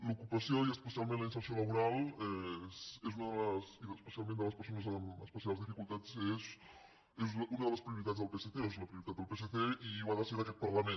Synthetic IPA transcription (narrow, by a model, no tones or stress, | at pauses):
lukupəsjoiəspəsialˠmẽnləinsəɾsjoləβuɾalˠɛsezunəðələsiðəspəsialˠmẽnd̪ələspəɾs̬onəzəməspəsialˠzðifikulˠt̪asez | ezunəðələspɾiuɾit̪̬at̪zðəlˠpeseθeezuləpɾiuɾit̪at̪̚d̪əlˠpeseθeiwaðəsəeɾɐkɛt̪̚pəɾləmẽn